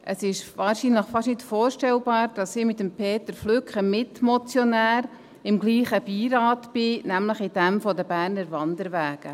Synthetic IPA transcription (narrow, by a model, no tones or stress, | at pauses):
ʔʔəsɪʃʋɑːɾʃinləχfɑʃnɪtfoːɾʃtɛlbɑːɾd̥ɑsɪmɪt̪əmpʰeːtəɾflʏkχəmɪtmɔt͡sjɔnæːɾ | ɪmɡliːχəb̥iːɾɑːtbɪnæmləχɪd̥ɛmfɔdəbæːɾnəɾvɑnd̪əɾʋæːɡ̥ə